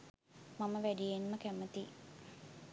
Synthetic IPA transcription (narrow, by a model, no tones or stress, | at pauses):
maməʋæɖijenməkæmət̪i